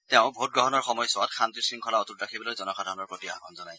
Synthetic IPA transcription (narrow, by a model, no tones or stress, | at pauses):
tɛʊ̃bʱot̚ɡɹɔɦɔnɔɹxɔmɔjsɔatxʰantisɹiŋkʰɔlaɔtutɹakʰibɔlojzɔnɔkʰadʱɔɔnɔɹpɹotia̰kɔ̰nzɔnaj